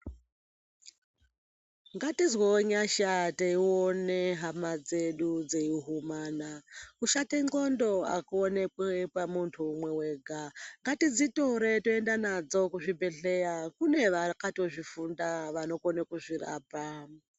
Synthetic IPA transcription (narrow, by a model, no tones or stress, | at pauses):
ŋɡatizweoɲaʃateioneɦamad͡ze̞ɗud͡zeiɦumaːnakuʃakeŋɡo̞ndo̞a̰kuonekwepamuntʰuːmwe̞we̞ːɡʱaŋɡatid͡zitoɾe̞toendanad͡zo̞kuʐibʱeɬejakune̞ʋakato̞ʐifundaʋano̞konekuʐira̰ːpa